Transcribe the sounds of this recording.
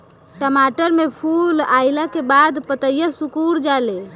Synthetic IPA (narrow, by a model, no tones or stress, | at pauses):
ʈəmaʈəɾmepʰulajlakebad̪pət̪əjəsukuɽd͡ʒale